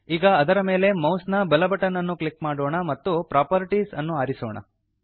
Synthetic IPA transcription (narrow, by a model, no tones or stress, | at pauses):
iːɡɐːd̪ɐɾɐme̞ːle̞mɐwsnɐbɐlɐbɐʈɐnːɐnːuklikmaːɽoːɳɐmɐt̪ːupɾaːpɐɾiʈisɐnːuaːɾiso̰ːɳɐ̰